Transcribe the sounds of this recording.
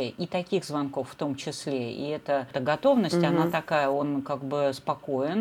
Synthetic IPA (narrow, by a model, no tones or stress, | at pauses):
ʔit̪ɐkʲiɣzvɐnko̞fːt̪o̞mt͡ɕɪslʲeḭɛt̪ət̪əɡɐt̪o̞vnəsʲtʲɐnat̪ɐkajəo̞nkaɡ̚bɨspɐko̞ɪn